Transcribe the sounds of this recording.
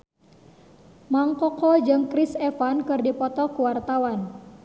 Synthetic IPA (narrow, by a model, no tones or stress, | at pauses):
maŋkɔkɔd͡ʒɨmkɾisɛfankɨrdipɔt̪ɔkuwart̪awan